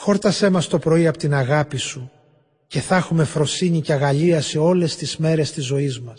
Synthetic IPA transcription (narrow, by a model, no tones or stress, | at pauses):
xo̞ɾt̪ɐse̞mɐst̪o̞pɾo̞iɐpot̪inɐɣɐpisu | ce̞θɐxume̞fɾo̞siɲiceɐɣɐʎiɐse̞o̞le̞st̪izme̞ɾe̞st̪izːo̞izmɐs